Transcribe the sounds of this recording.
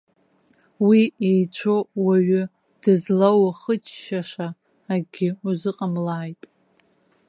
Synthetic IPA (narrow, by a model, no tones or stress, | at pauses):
wiejt͡ɕʷʰowaɥʏ | d̥ɨzlawaχət͡ʃʰʼʃaʂaː | ɡʲɪuzɨqʼamlaːjtʼ